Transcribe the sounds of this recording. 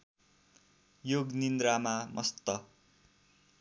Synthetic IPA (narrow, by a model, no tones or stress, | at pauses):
joɡnind̪ɾamamʔʌst̪ʌ